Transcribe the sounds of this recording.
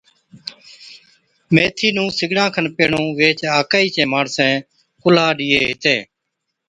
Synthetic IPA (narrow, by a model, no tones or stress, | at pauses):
meːt̪ʰiːnũːsɪɡɽãːkʰənpeːɳõːʋeːt͡ʃaːkaːiːt͡ʃẽːmaːɳsɛ̃ː | kʊlaːɗiːeːɦɪt̪ẽː